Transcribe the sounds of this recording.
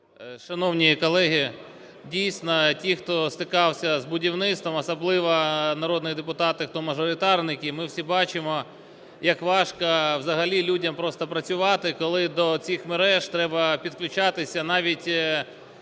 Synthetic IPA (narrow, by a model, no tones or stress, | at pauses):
ʃɐnɔwnʲijikɔlˠɛɦʲi | dʲijsʲnɔtʲixt̪ɔst̪ɪkɑwsʲɐzbʊdʲiwnɪt̪st̪ʋɔmɐsɐblˠɪʋɐnɐɾɔd̪nʊjid̪epʊt̪ɑt̪ɪxt̪ɔmɐʒɔɾʲɪt̪ɑrnɪkʲimɪwsʲibɑt͡ʃɪmɔ | jɐkʋɑʃkɐwzɐɦɐlʲilʲudʲɐmpɾɔst̪ɐpɾɐt͡sʲʊʋɑt̪ɪkɔlˠɪd̪ɔt͡sʲixmeɾɛʒt̪ɾɛbɐpʲid̪klʲʊt͡ʃɑt̪ɪsʲɐnɑʋʲitʲ